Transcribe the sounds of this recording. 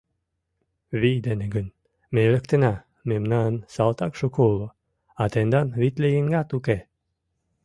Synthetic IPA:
vid̪eneɡɨn | mʲelʲəkt̪ena | memnansalˠt̪akʃukolˠo | at̪end̪anvit̪lʲejiŋɡat̪uke

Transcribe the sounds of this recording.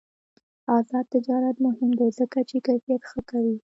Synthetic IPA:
ɑzɑd̪̚t̪ːɪd͡ʒɑɾat̪mʊhɪmd̪azəkat͡ʃekajfijat̪xəkawi

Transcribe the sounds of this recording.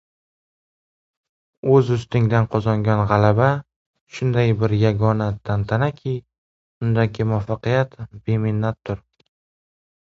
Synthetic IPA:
ɵzʊst̪ɪŋd̪anqʰɒzɒŋɡʲanʁɑlaba | ʃʊnd̪ajbɪɾjaɡɒnat̪ʰant̪ʰanakʲʰɪ | ʊnd̪aɡʲɪmʊafːɑqɨjat̪b̥e̞mɪnːat̪ʰːʊɾ

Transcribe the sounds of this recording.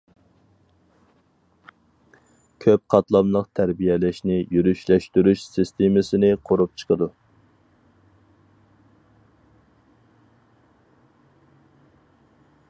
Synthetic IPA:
kʲʰøp̚qʰɑt̪lˠɑmlˠəqt̪ʰæɾbijɛlɪʃnɪjyɾyʃlɛʃt̪yɾyʃsist̪ʰemɪsɪnɪqʰoɾup̚t͡ʃʰə̥qʰəd̪u

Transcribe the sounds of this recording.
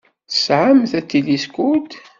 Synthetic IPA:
θə̥sʕamθæt͡sːiliskut̪

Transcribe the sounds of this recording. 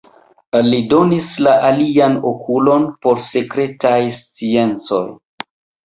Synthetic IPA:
lido̞nislaʔalianokʰulo̞npo̞ɾse̞kɾe̞tajst͡sie̞nt͡so̞̰j

